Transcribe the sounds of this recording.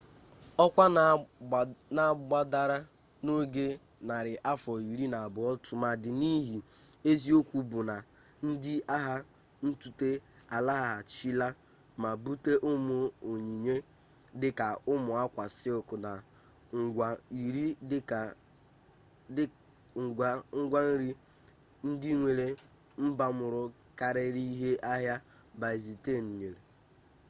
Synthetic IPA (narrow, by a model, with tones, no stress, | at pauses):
ɔ˦kʷa˦ | na˨ɡ͡ba˦da˦ɾa˦ | no˦ɡe˦ | na˨ɾɪ˨ʔa˦fɔ˨i˨ɾi˦na˨a˨bʊ˨ɔ˦tʊ˨ma˨dɪ˨ni˦ɦi˨e˦zi˦o˦kʷu˦bʊ˨na˨ | n̩˦dɪ˦a˦ɦa˦ | n̩˦tu˨te˦ | a˨la˦ɦa˨a˨t͡ʃi˦la˦ | ma˨bu˦te˦ʔʊ˦mʊ˨o˨ɲi˨ɲe˦ | dɪ˦ka˨ʊ˦mʊ˨a˦kʷa˨sɪ˦ʊ˨kʊ˨na˨ | ŋ̩˨ɡʷa˨i˨ɾi˦˨˦ | ŋ̩˦ɡʷa˦n̩˦ɾi˦ | n̩˦di˦ŋʷe˨ɾe˨ | m̩˦ba˦mʊ˨ɾʊ˦ | ka˦ɾɪ˦ɾi˦ɦe˦ʔa˦ɦja˦ | ba˨i˨zi˨te˦˨n̩˨ɲe˨ɾe˨